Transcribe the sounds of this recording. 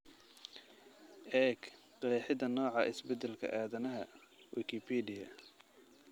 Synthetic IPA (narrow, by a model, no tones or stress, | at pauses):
ʔɛːk | qɛħɪd̪ɐnɔːʕɑʔɪsbɛd̪ɛlkʰɐ̰ʔaːðɐnɐɦɐwikʰɪpʰɛdɪɐ̰